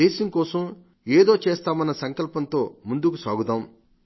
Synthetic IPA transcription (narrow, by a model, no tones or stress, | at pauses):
eːʃɐŋkɔːsɐm | eːd̪o̞ːt͡ʃeːst̪aːmɐnːɐsɐŋkɐlpɐnt̪o̞ːmund̪ukusa̰ːɡut̪aːm